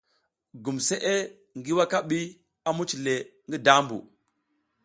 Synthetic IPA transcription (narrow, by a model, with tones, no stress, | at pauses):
ɡu˨mse˦ʔe˦ | ŋɡi˦wa˦ka˦ɓi˦ | a˨mu˦t͡ʃi˨le˨ŋɡi˦da˦mbṵ˨